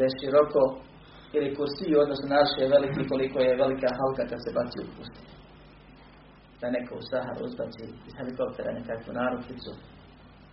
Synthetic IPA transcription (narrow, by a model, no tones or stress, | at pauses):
eʃiɾoko | ilikuɾsijuod̪nosnunaɾʃieʋelikiko̞likojeʋelikaɦalkakad̪se̞bat̪sḭṵpust̪i̥ | d̪̥anekoṵsaɦa̰ɾṵṵzbat̪siiz̥heliko̞p̚t̪eɾa̰nekakʋṵnaːɾod̪tit̪su